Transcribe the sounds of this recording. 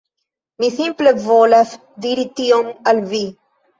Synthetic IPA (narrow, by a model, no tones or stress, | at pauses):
miθimpləvoləf | d̪iɾit̪iomɐlvi